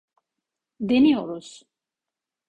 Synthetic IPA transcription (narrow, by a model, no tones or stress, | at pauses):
d̪ɛniɔɾɔs